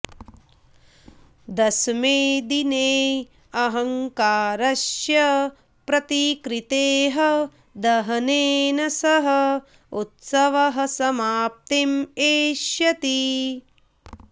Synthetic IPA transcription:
d̪ɐsmeːd̪ineː | ɐɦɐ̃ŋkaːɾɐʃjɐ | pɾɐt̪ikɾit̪eːɦɐ | d̪ɐɦɐneːnɐsɐɦɐ | ut̪sɐʋɐɦɐ̆sɐmaːp̚t̪imeːʃjɐt̪i

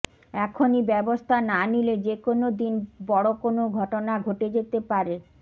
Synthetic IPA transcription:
ɛkʰonibɛbost̪ʰananiled͡ʑekonod̪inbɔɽokonoɡʱɔʈonaɡʱoʈed͡ʑet̪epaɾe

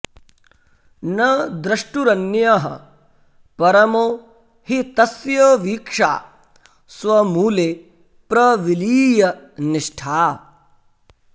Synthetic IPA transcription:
nɐd̪ɾɐʂʈuɾɐnjɐɦɐ̰ | pɐɾɐmoː | hit̪ɐsjɐʋiːkʂa̰ː | sʋɐmuːleː | pɾɐʋiliːjɐnɪʂʈʰaː

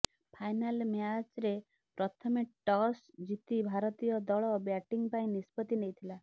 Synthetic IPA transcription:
pʰajnalmjat͡ʃɾe | pɾɔt̪ʰɔmeʈɔs | d͡ʒit̪ibʱaɾɔt̪ijɔd̪ɔɭɔbjaʈiŋpaĩnispɔt̪inejt̪ʰila

